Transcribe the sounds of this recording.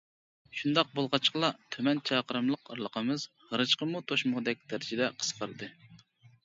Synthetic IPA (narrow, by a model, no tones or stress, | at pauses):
ʃund̪ɑq̚bolˠʁɑt͡ʃqlˠɑt̪ʰømɛnt͡ʃʰɑqʰəɾɨmlˠəqə̰ɾlˠəqʰəmɨz̥ | ʁəɾɨʃqəmut̪ʰoʃmʊʁd̪ɛk̚ʲd̪̥æɾɪt͡ʃɪd̪ɛqʰə̥sqʰəɾɨd̪ɨ